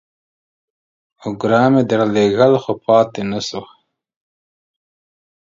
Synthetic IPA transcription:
ʊɡɾɑːmed̪aɾɑleɣəlxopʰɑːt̪enaso

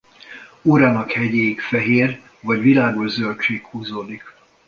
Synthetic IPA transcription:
uːɾaːnɒkhɛɟeːjikfɛɦeːr | vɒɟʋilaːɡoʒzølt͡ʃeːkhuːzoːd̪ik

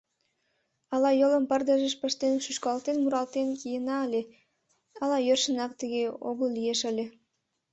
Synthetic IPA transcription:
ɑlˠɑjolˠə̆mpərd̪ɑʒə̆ʃpəʃt̪enʃyʃkɑlˠt̪enmuɾɑlt̪enkʲijənɑlʲe | ɑlˠɑjørʃə̆nɑk̚t̪əɡʲeoɣəlyjeʃəlʲe

